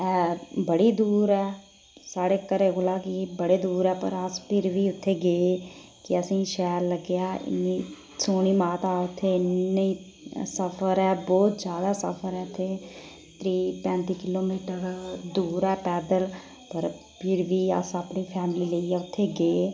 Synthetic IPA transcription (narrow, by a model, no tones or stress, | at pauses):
ɛːbəɽiːd̪uːɾɛː | saːɽeːkəɾeːɦolaːkibəɽeːd̪uːɾɛːpə̰ɾəspʰɪɾʋiːʊt̪ʰːeːɡeː | kɪəsĩːʃɛːɾləɡejaːɪ̰nːiː | soːñiːmaːt̪aːʊt̪ʰːeːɪnːeiː | səpʰəɾɛːbɔːt̪d͡ʒjaːd̪aːsə̰pʰəɾɛːt̪ʰeː | t̪ɾiːpɛ̃ːnt̪iːkɪloːmiːʈəɾd̪uːɾɛːpɛːd̪əl | pəɾ | pʰɪɾʋiːə̰səpniːpʰɛːmɪliːləiːɛːʊt̪ʰːeːɡeː